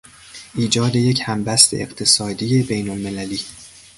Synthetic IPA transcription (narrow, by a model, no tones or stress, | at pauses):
ʔiːd͡ʒɒːd̪e̞je̞chæmbæst̪ʰeʔḛɢt̪ʰe̞sɒːd̪ijebe̞jnolme̞læliː